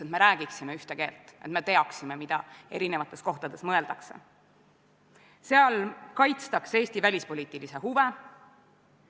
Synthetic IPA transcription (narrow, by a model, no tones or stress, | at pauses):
et̪me̞ɾæːɡ̥iksimeyht̪e̞ke̞ːlt̪ːˑʔe̞t̪me̞t̪e̞ɑksime̞mid̪̥ɑe̞ɾine̞vɑt̪ːˑe̞sko̞ht̪ɑd̪̥e̞smɤ̞e̞ld̪ɑkse̞̰ | se̞ɑlkɑjt̪st̪ɑkse̞ːst̪ivælʲispoliːt̪ːˑilise̞huve